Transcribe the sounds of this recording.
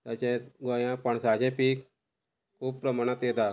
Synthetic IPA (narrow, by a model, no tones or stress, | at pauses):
t̪at͡ɕẽɡojãpəɳsat͡ɕẽpiːk | kʰuːb̚pɾəmaɳ̃at̪jet̪a